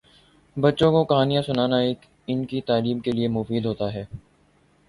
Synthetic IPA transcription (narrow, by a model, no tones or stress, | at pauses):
bɐtːʃõkokɐɦaːnijãsʊnaːnaeːk | ɪnkit̪aːliːmkeliemʊfiːd̪ʱɦoːt̪aɦɛː